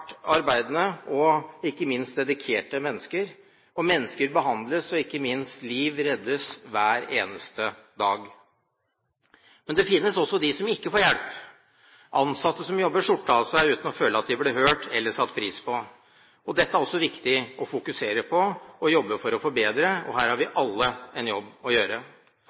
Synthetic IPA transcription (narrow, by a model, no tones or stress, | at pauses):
ʈɑɾbæɪd̪nəʔɔɪkːəmɪnst̪̚d̪ɛd̪ɪkʰeːʈəmɛnːəskəɾ | ɔmɛnːəskəɾbəɦɑnd̪ləsɔɪkːəmɪnst̪liːʋɾɛd̪ːəsʋæːɾeːnəst̪əd̪ɑːɡ | mɛnd̪ɛfɪnːəsɔsːɔd̪ɪsɔmɪkːəfoːɾjɛlp | ʔɑnsɑt̪ːəsɔmjɔbːəʂʊʈːəɑsæɪʉːt̪n̩ɔføːləɑt̪̚d̪ɪblɛhøːʈʰɛlːəʂɑt̪ːpʰɾiːspʰɔ | ɔd̪ɛt̪ːəæɾɔsːɔʋɪkt̪ɪɔfʊkʉseːɾəpʰɔɔjɔbːəfɔɾɔfɔɾbeːd̪ɾəɔ̰ɦæːɾhɑɾʋɪʔɑlːəɛnjɔbːɔjøːɾə